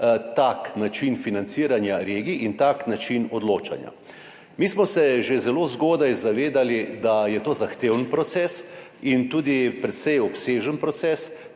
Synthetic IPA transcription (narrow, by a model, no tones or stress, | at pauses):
t̪aknat͡ʃinfinant̪siːɾanjaɾeːɡiʔint̪aknat͡ʃinɔd̪loːt͡ʃa̰nja̰ | miːsmɔsɛʒezɛloːzɡoːd̪ajzaʋeːd̪alid̪ajɛt̪oːzaxt̪eːwnpɾɔt̪sɛːsint̪uːd̪ipɾɛt̪sɛjɔpseːʒənpɾɔt̪sɛːs